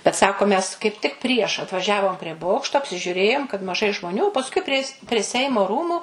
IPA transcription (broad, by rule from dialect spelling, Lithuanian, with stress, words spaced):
bʲɛt ˈsɑːkoː mʲɛs kɐɪp tʲɪk pʲrʲiɛʃ ɐtʋɐˈʒʲæːʋoːm pʲrʲiɛ ˈboːkʃtoː ɐpʲsʲɪʒʲʊˈrʲeːjoːm kɐt mɐˈʒɐɪ ʒmoːˈnʲuː pɐsˈkʊɪ pʲrʲiɛ pʲrʲiɛ ˈsʲɛɪmoː ˈruːmʊ